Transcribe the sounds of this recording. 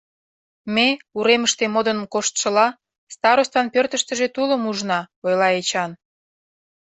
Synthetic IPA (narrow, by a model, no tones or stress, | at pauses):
meuɾeməʃt̪emod̪ə̆nmkoʃt̪ʃə̆lɑ | st̪ɑɾost̪ɑnpørt̪ə̆ʃt̪ə̆ʒet̪uləmuʒnɑojlɑet͡ɕɑn